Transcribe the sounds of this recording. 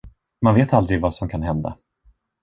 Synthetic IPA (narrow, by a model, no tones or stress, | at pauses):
manveːt̪ald̪ɾɪɡvasɔmkʰanɦɛnd̪a̰